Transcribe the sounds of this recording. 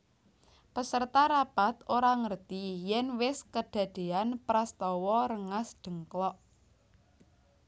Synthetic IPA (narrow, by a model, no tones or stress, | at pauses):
pəsərt̪aɾab̥at̪oɾaŋərt̪ijɛnwɪskəɖ̪̥ä̤d̪̥e̤anpɾast̪ɔwɔɾəŋasɖ̪̥ə̤ŋklɔʔ